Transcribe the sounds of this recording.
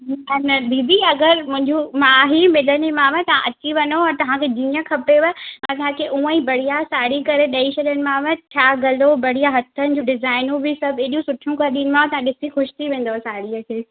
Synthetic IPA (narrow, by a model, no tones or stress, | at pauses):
ɛnəbiːd̪iɐɡəɾmʊ̃ɦɪ̃ɲd͡ʑumãɦimɪlənimãʋɛ̃t̪ɐʋ̤ãʔɐt͡ɕiʋɐnoɔːɾt̪ɐʋ̤ãkʰed͡ʑĩːə̃kʰɐpeʋɐɐ̃t̪ɐɦãkʰeʔũːə̃ĩbɐɽ̤ijasaːɽikɐɾeɗɐit͡ɕʰɐɗjənɪ̆mãʋɛʈʰjaːɡɐlobɐɽijaɦɐt̪ʰːənɪ̆d͡ʑũɖɪzaːɪnũbɪsɐbʱeːɗijũsʊʈʰijũkɐɾɗ̪iːnɪ̆mãʋt̪ɐãɗɪsixʊʃt̪ʰiʋẽːn̆d̪oesaːɽiəkʰeː